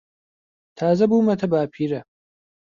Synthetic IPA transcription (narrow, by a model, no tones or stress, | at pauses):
t̪ʰaːzɐbuːmɐt̪ʰɐbaːpʰiːɾɐ